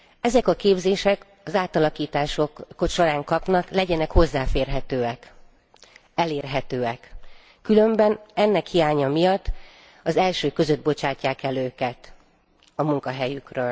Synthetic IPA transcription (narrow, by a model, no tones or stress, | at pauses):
ɛzɛkɒkeːbzeːʃɛk | ɒzaːt̪ɒlɒkiːt̪aːʃo̞kkoʃo̞ɾaːŋkɒpnɒklɛɟɛnɛkho̞zːaːfeːrɦɛt̪øːɛk | ɛleːrɦɛt̪øːɛkː | ylø̞mbɛnɛnːɛkhijaːɲɒmijɒt̪ː | ɒzɛlʃøːkø̞zød̪̚bo̞t͡ʃaːcːaːkɛløːkɛt̪ | ɒmuŋkɒɦɛjykrøːl